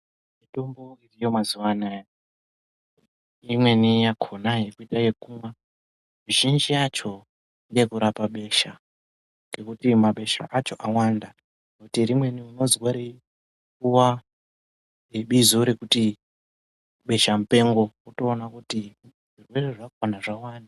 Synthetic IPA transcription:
mito̞mbo̞irijomazuwana | imwe̞nijakʰonaje̞kuitaje̞kumwa | ruʒind͡ʒijat͡ʃo̞ | iŋɡekuɾapaɓe̞ʃa | ŋɡe̞kutimaɓe̞ʃa̰ʔat͡ʃo̞ʔawanda | nutirimwe̞niuno̞zwaɾe | kuwa | eɓizoɾekuti | ɓe̞ʃam̩pe̞ŋɡo̞uto̞ːnakuti | ʐ̥irwe̞re̞ʐawanaʐawaːna

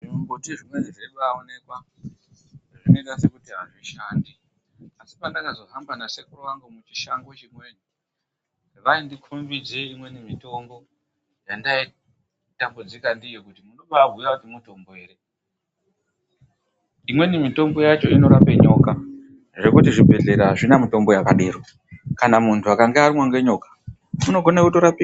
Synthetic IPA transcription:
iombotiʐimweniʐeɗuʋaone̞kwa | ʐino̞iɗase̞kutiɦaʐiʃandi | asi̥pandakazo̞ɦamɡanasekuroʋaŋɡumut͡ʃiʃaŋɡot͡ʃimwe̞ni | ʋaindikʰumbid͡zeimwe̞nimito̞mbo̞ | jandai | tambod͡zikandijekutimunoɓabʱujakutimuto̞mboeːɾe | imwe̞nimito̞mbo̞jat͡ʃo̞ino̞ɾapeɲo̞ka | ʐe̞kutiʐibʱe̞ɮe̞ɾaʐinamito̞mbo̞jakaɗiːɾo | kanamuntʰuakaŋɡearimwoŋɡe̞ɲo̞kḁ | muno̞ɡʱonekutoɾapi

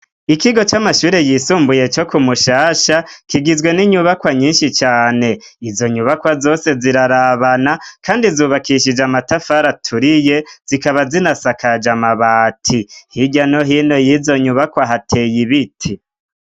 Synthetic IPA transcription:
ikiɡo̞t͡ʃamaʃuːɾe̞jiːsuːmbuje̞t͡ʃo̞kumuʃaːʃakiɡizwe̞niɲuβakwaɲiːnʃit͡ʃaːne̞ | izo̞ɲuβakwazo̞ːse̞ziɾaɾaβanakʰaːndizuːβakiʃid͡ʒamatafaɾatʰuɾije̞z̥ikaβazinasakʰad͡ʒamaβaːtʰihiɟano̞ɦino̞jiːzo̞ɲuβakwaɦatʰe̞jiβitʰi

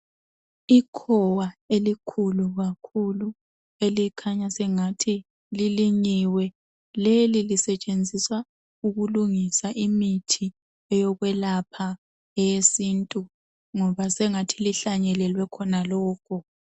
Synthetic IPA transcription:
ikʰɔwaelikʰuluɣakʰulu | elikʰaɲasɛŋatʰi | liliɲiwɛ | lelilisɛt͡ʃʼend͡zʱiswa | uɣuluŋisaʔimitʰi | ɛjɔɣwɛlapʰa | ɛjesintʼu | ŋɔβasɛŋatʰiliɬaɲɛlɛlwɛkʰɔnalɔːkʰɔ

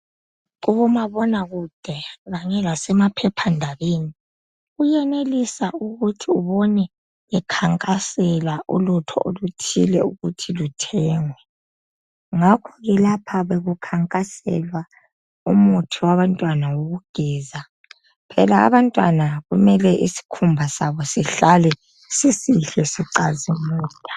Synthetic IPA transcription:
ɣuβumaβɔnaɣud̥ʱɛɣaɲɛlasɛmapʰɛpʰandʱaβeːni | ɣujɛnelisauɣutʰiuβɔnɛ | ɛkʰaŋkʼasɛlaʔṵlutʰɔ̰ʔolutʰḭlɛuɣutʰilutʰɛːŋwɛ | ŋakʰɔɣɛlapʰaβeɣukʰaŋkʼasɛ̰lwa | umutʰiwaβantʼwanawoɣuɡ̥ʱɛːza | pʰɛlaa̰βantʼwanaɣumɛlɛʔisi̥kʰumbʱasaβɔsiɬalɛ | sisiɬɛsiǀazimuːtʼḁ

